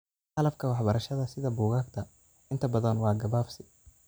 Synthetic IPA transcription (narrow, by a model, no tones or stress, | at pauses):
hɐlɐfkʰɐwɑħbɐɾɐʃɐðɐsɪðɐbuːɣaːɡt̪ʰɐ | ɪnt̪ʰɐbɐðɐnwɑːɡɐβaːfsɪ